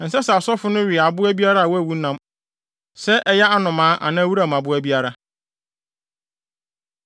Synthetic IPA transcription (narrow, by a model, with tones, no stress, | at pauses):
n̩˨sɛ˦sɛ˨a˨sɔ˦fʊ˦nʊ̃˦ɥɪ˨a˨bʊ˦æ˦bi˦a˦ɾa˦a˨wɔ˦æ˨wu˦nã˦m | sɛ˦ʔɛ˨jɛ˦a˦nʊ̃˨mãː˨˦ʔa̰˨nãː˦wu˦ɾa˨m˨a˨bʊ˦æ˦bi˦a˦ɾa˦